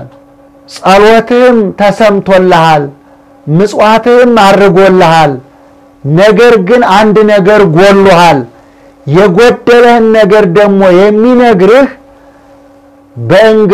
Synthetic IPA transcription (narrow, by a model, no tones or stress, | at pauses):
sʼəlwɔt̪ʰɨhɨmt̪ʰəsəmt̪ʰolːəhal | mɨsʼwat̪ɨhɨmadːɨɡolːəhal | nəɡəɾɡɨnand̪nəɡəɾɡolːohal | jɛɡod̪ːələhɨnːəɡəɾd̪əɡmo̞jɛmːinəɡɾɨh | bəʔɨŋɡ